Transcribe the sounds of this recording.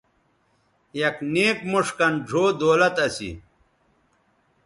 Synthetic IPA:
jɐkneːkmuʂkɐnɖʱoːd̪oːlɐt̪ɐsḭ

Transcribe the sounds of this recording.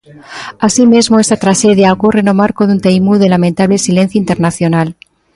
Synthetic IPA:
asimezmoest̪at̪ɾaʃeðjaokurenomaɾkoðunt̪ejmuðelamẽnt̪aβlesilen̟θjoint̪eɾnaθjonal

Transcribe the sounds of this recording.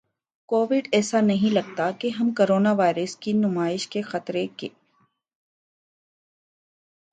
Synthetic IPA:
koːʋɪɖɛːsanɐɦĩlɐɡ̚t̪akeɦɐmkoːɾoːnaʋaːɪɾəskinʊmaːɪʃkexɐt̪ɾekḛː

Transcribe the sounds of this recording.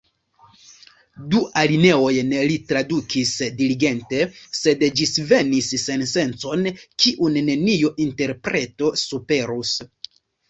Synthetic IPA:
duʔaline̞o̞jnlitɾadukʰisdiliɡe̞nte̞se̞dd͡ʒisve̞nisːe̞nse̞nt͡so̞nkiʔunːe̞nijuʔinte̞ɾpɾe̞to̞supe̞ɾus

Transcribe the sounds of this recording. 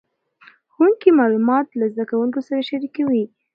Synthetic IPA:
xuŋkimɑlumɑt̪lazd̪akawuŋkosaɾaʃaɾikawi

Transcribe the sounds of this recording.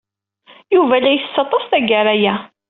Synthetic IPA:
juvælæjθəsːɑt̪ˤːɑst̪æɡæɾæjæ

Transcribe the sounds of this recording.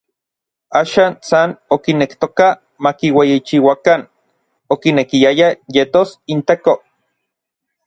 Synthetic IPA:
aːʃaːnsanokinekt̪oka | makiwejit͡ʃiwakan | okinekiajajet̪osint̪eko

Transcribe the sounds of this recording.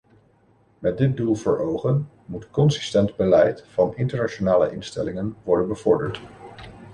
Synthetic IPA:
mɛt̚dɪt̚dulˠvə̰ɹowχən | mutkɔnsɪ̥stɛndbəlɛjtfɑnɪntəɹnat͡ʃonaːlə̰ʔɪnstɛ̰lɪŋənʋɔɹdənbəvɔɹdəɹt

